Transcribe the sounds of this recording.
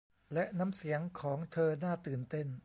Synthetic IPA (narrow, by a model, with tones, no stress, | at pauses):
lɛ˦˥ʔna˦˥msi˩˦əŋkʰɔː˩˦ŋt̪ʰɤː˧naː˥˩t̪ɯː˨˩nt̪e˥˩n